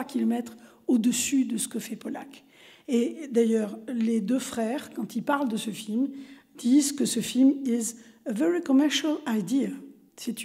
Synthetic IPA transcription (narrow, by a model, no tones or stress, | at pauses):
akʲʰilɔmɛt̪χ | od̪əsyd̪əsə̥kəfɛpɔla̰k | ed̪ajœʁled̪øfχɛːʁkɑ̃t̪ilpaʁld̪əsəfilmd̪̥izkəsəfilmizəvɛʁikɔmɛʁʃalajd̪ia | sɛt̪